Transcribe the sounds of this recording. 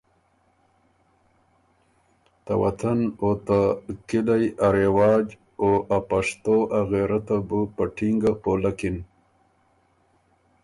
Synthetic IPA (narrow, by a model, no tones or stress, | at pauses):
t̪awat̪ʰanot̪akilajaɾewɑːd͡ʒ | oʔapaʂt̪oʔaɣeɾat̪abupəʈʰiŋɡapoːlakin